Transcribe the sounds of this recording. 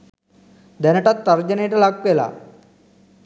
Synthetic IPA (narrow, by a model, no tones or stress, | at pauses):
d̪ɛnəʈat̪ːəɾd͡ʑəneʈəlaɡ̚pela̰